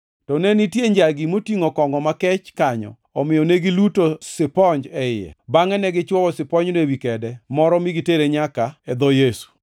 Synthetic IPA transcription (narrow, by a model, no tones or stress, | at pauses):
tɔnɛnitjeɲd͡ʒaɡimotiŋokɔŋɡɔmakɛt͡ʃkaɲɔ̰ | ɔmɪjɔneɡilutosɪpɔɲd͡ʒɛɪɛ̰baŋɛnɛɡɪt͡ʃwɔwɔsɪpɔɲnewikɛdɛmɔɾɔmiɡiteɾeɲakaɛd̪ɔjesu̥